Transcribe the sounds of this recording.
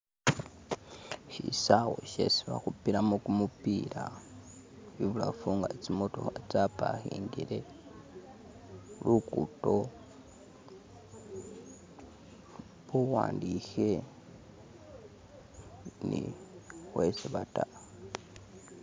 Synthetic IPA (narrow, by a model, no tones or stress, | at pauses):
ʃisawoʃḛsiβaxupiɾamokumupiɾa | βiβulafuːŋɡat͡simotohat͡sapahiːŋɡiɾe | lukuto | βuwaːndixe | nixwesiβata